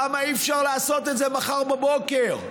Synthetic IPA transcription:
amaifʃaʁleasot̪etzemaχaʁbabokeʁ

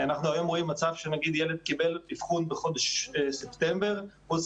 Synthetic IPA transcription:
anaχnuajomʁoimːat͡savʃenaɡid̪jɛled̪̚kibɛllifχunbeχod̪eʃsɛpt̪ɛmbeʁvus

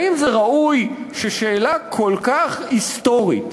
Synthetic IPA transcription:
imzeʁaʔujʃeʃe̞ːlakʰo̞lkaχisto̞ʁḭt

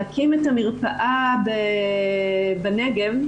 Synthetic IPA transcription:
akimetamiʁpaʔabe | baneɡev

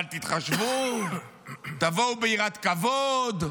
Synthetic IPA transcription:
lt̪it̪χaʃvu | t̪avowbeiʁat̪kavod̪

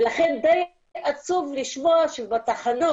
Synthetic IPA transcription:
laχend̪ej | at͡suvliʃmoaʃebat̪aχano

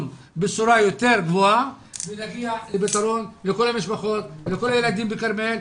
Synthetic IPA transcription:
n | bet͡suɾajo̞t̪eɾɡvoa | benaɡialebet̪aɾo̞nleko̞lamiʃbaχo̞t̪leko̞lajelad̪imbekaɾmel

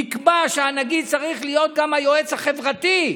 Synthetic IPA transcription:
ikbaʃeanaɡid̪̚t͡saʁiχlijo̞t̪̚ɡamhajo̞e̞t͡shaχe̞vʁat̪i

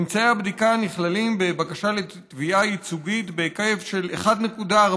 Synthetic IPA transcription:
mt͡saeabdikaniχlalimbe̞bakaʃaletviʔait͡suɡitbe̞kajefʃe̞lḛχadne̞kuda

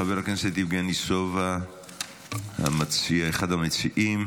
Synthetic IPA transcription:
abeʁalknset̪ifɡenisova | ha̰mat͡siaeχad̪hamet͡siʔim

